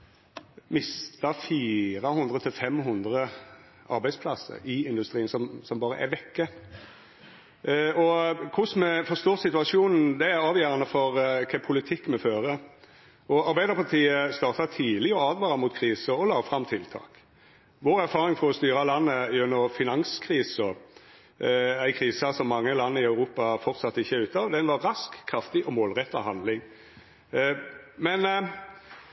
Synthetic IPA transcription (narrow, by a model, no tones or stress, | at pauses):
mɪst̪ɑfiːɾəhʉnd̪ʁət̪ʰɪlfɛmɦʉnd̪ʁə | ʔɑ̰ɾbæɪspʰlɑsə̰ɾɪɪnd̪ʉst̪ɾiːənsɔmsɔmbɑːɾə̰ʔæ̰ʋɛkːə | ɔkʰʊsmɛfɔʁst̪uːʁt̪sɪt̪ʉɑʃuːnn̩d̪ɛæɾɑːʋjæːɾʁɑnəfɔɾkʰɛpʰʊlɪt̪ʰɪkːmɛføːɾə | ɔɑɾbæɪd̪əʁpʰɑʁt̪ʰiːəst̪ɑːʁt̪ɑt̪ʰiːlɪɔɑːd̪ʋɑːʁɑmʊt̪kʰʁiːsəɔlɑːfɾʁɑmt̪ʰɪlt̪ʰɑ̰ːk | ʋoːɾæɾfɑːʁɪŋfɔʁɔst̪yːʁɑlɑnːəʉnːəʁfɪnɑŋskʰʁiːsɔ | æɪkʰʁiːsɑsɔmːɑŋːəlɑnːəɪœʉɾuːpɑfɔʁt̪sɑt̪ːəɪçːəʉːt̪ːɑːʋd̪ɛnʋɑːɑskʰːʁɑft̪ɪʔɔmoːlʁɛt̪ːɑ̰ɦɑnd̪lɪŋ | mɛn